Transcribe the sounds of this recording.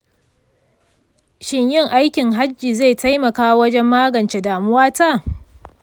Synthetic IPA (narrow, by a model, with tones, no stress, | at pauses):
ʃɪ˦ɲjɪ˦˨ŋʔa˦jkʲɪ˨ŋɦa˦d͡ʒːiː˨za˦˨jta˦jmɐ˨kaː˦wɐ˦d͡ʒɛ˦mːaː˦ɡɐ˨nt͡ʃe˦daː˨mʊ˦waː˦ta˦˨